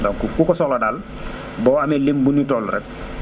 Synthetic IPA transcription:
dɔŋkukukɔsɔlɔdaːl | bɔːamelimbunutɔluɾɛ̰t̚

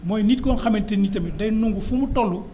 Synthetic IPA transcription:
mɔjniːt̚kɔnxɐmɛntɛnitɐmidɐjnuŋɡufumutɔlːu

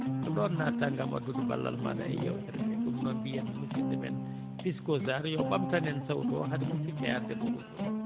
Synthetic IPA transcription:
ʔɔɗɔnːataŋɡamʔa̰duduba̰lːa̰lma̰da̰ɛ̰ja̰wtɛɾɛmɛkumnɔnbijanamusindɛmɛ̰n | piskɔzaɾjɔɓamtanɛnsawdɔ̰ɦadimutifɛadɛbuɡudɔ

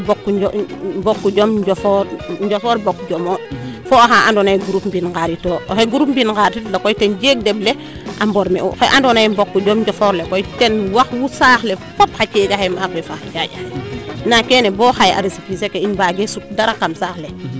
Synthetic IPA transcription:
bokːubokːuɟomɲɟofoɾɲɟofoːɾbokːuɟomoːfoaxaʔandonajɡuɾupmbinkaɾitoːxeɡuɾupmbinkaɾtitlakojtenɟeːk̚deble | ʔamboɾmḛṵxeʔandonajmbokːuɟomɲɟofoɾlekojtenwaxwusaxlefop̚hat͡ʃeɡahemapefaxaɟaɟanakeːneboːxaja̰ɾisipisekeiɲbaɡesuk̚daɾakamsaxle

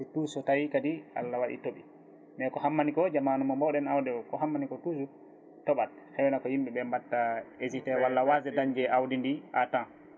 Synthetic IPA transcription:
tuːsɔtajikadiʔa̰lːawaɗḭtoɓḭ | nɛkɔhamːanikɔd͡ʒamanumɔmbɔwɗɛnawdɛkɔhamːanikɔtusu | tɔɓat̚hɛwnakɔjimɓiɓɛmbatːaezitɛwalːawazɛdaɲd͡ʒɛʔawdindiʔatãn

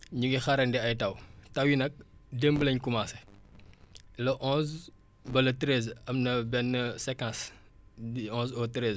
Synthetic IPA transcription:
ɲuɡixɐɾɐndɛɐjtɐwtɐwjinɐk̚dembəlɐɲkumaːsɛ | lɐʔɔ̃ːz | bɐlɐtɾezɐmnɐbɛnːəsɛkãs | iɔ̃nzɔtɾez

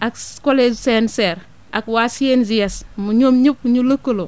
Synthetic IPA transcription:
akkolesenseɾ | akwasenzijasmuɲomɲup̚ɲulukːulo

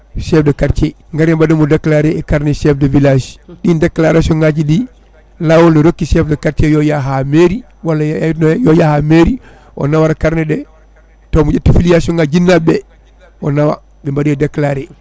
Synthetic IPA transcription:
ʃɛfdakaɾt͡ʃɛ | ŋɡaɾambadomudaklaɾɛːkaɾnɛʃɛfdɔvilaʃɗindakːlaɾasɔŋɡad͡ʒidi | lawɔlnɔɾokːiʃɛfdɛkaɾt͡ʃɛjɔjaɦameɾi | walːanjɔjahameɾi | ʔɔ̰nawaɾakaɾnɛɗɛ | tomud͡ʒatifilijasɔŋɡad͡ʒinːabɛ | ɔ̰nawa̰ | bimbadiɛdaklaɾɛ

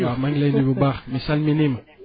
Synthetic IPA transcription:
amãŋɡlajnibobaʁmesalminim

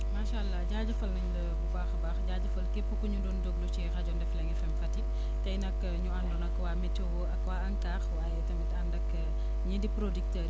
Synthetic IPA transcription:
maːʃalːɐɟaːɟɐfɐlnɐɲlɐkukaːxɐbaːxɟaːɟɐfɐlkepːəkuɲudɔndoɡlut͡ʃɛxɐɟɔːndɛflɐŋɛfɐmfɐtːi | tɐjnɐkː | ɲuɐndɔːnɐkːwaːmɛtːɔwɔʔɐkːwaːɐŋkaːxwaːjɛtɐmɛtɐndɐkː | ɲɐdipɾodik̚tɐːɾ

